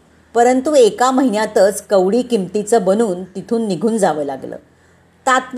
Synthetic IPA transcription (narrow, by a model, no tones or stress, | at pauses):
pəɾənt̪uekaməɦinjat̪ət͡skəʋɽiːkimt̪it͡səbənuːnt̪it̪ʰuːnːiɡʱuːnd͡zaʋəːlaɡlə̰ː | t̪at̪